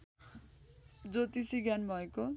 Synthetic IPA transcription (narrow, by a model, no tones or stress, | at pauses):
d͡zot̪isiɡjanbʱʌeko